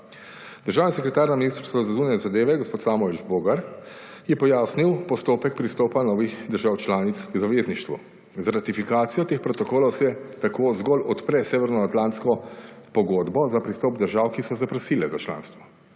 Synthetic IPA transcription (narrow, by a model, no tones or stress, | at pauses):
d̪əɾʒaːwnisɛkɾɛt̪aːɾnaminist̪ɾst̪ɔzazunanɛzad̪eːʋɛɡɔspoːt̪saːmɔid͡ʒboːɡaɾjɛpɔjaːsniwpɔst̪oːpɛk̚pɾist̪ɔːpanɔːʋixd̪əɾʒaːwt͡ʃlaːnit̪skzaʋeːzniʃt̪ʋṵ | zaɾat̪ifikaːt̪sijɔt̪eːxpɾɔt̪ɔkoːlɔwsɛt̪akoːzɡɔlɔt̪pɾɛseːʋɛɾnɔat̪lant̪skɔpɔɡoːd̪bɔzapɾist̪ɔːpd̪əɾʒaːwkisɔzapɾɔsiːlɛzat͡ʃla̰ːnst̪ʋɔ